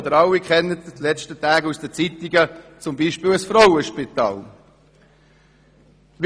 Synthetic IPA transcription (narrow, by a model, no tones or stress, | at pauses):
d̪əɾɑlːikχɛnːətd̥lɛt͡ʃtətæːɡusd̥ɛt͡sit̪iɡət͡sʊmbiːʃpiːləsfɾɔwəʃpit̪ɑ̰ːl | v